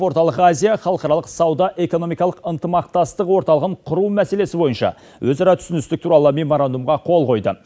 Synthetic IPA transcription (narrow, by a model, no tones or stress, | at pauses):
o̞ɾt̪ɑlˠəqazʲijaχɑlˠəqɑɾɑlˠəqsɑwd̪ɑʔe̞ko̞no̞mijkɑlˠəqənt̪əmɑq̚t̪ɑst̪əqwo̞ɾt̪ɑlˠəʁəɴqʰʊɾumæse̞le̞sɪbo̞jənʃɑ̰ | wɵzɑɾɑt̪ʰʏ̥sɪnɪst̪ɪk̚t̪ʰuɾɑlˠəme̞moɾand̪umʁɑqʰo̞lˠqo̞jd̪ə